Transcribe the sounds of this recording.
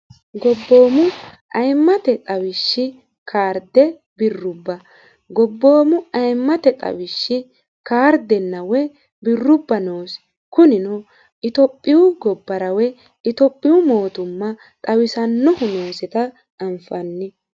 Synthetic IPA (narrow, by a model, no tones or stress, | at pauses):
ɡɔbːo̞ːmʊ | ʔɐjmːɐt̪ɛt̪ʼɐwɪʃːɪ | kʰaːɾd̪ɛ | bɪrːʊbːɐ | ɡɔbːo̞ːmʊɐjmːɐt̪ɛt̪ʼɐ̰wɪʃːɪ | kaːɾd̪ɛnːɐwɛ | bɪrːʊbːɐnoːs | kʊnɪnɔ | ɪt̪ɔpʼːɪwʊɡɔbːɐɾɐwɛ | ɪt̪ɔpʼːɪwʊmo̞ːt̪ʊmːɐ | t̪ʼɐwɪsɐnːɔhʊno̞ːsɛt̪ɐ | ɐmfɐnːɪ